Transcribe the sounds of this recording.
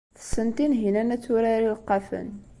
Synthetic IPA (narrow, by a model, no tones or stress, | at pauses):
θə̥sːənt̪inɦinænæt͡sːʊɾaɾiləqːɑfə̰n